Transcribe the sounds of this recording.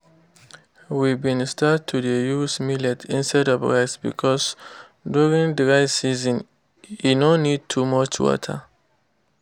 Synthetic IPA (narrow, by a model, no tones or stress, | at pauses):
wibĩnstatʰːudəjusmilɛtʰĩnsadɔvɹaɪsbḭkʰɔs | duɹĩŋdəɹaɪtsizɔ̃n | junõnːid̚tʰumɔt͡ʃwɔ̰tʰə̰